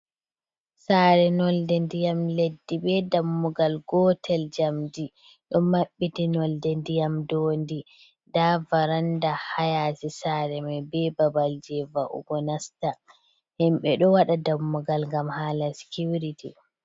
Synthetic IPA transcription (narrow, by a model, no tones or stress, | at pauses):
saːɾɛnɔldɛndijamledːiɓɛdamːuɡalɡɔtʰɛld͡ʒamdi | ɗɔmaɓːitinɔldɛndijamdondi | daːvaɾandahajaːtisaːɾɛmɛbɛbabald͡ʒɛvaʔṵɡɔnasta | hɛmɓɛɗɔwaɗadamːuɡalŋɡamhaːlasi̥kuwɾiti